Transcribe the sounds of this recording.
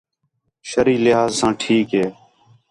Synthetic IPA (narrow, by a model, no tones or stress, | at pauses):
ʃəɾiːlɪɦaːzsãːʈʰiːkɦeː